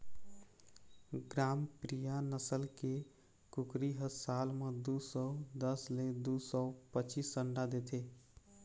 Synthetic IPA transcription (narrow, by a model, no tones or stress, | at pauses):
ɡɾaːmpɾijanəsəlke | kʊkɾiɦəsaːlmed̪usɔd̪əsled̪usɔpət͡ʃisəɳɖad̪et̪ʰe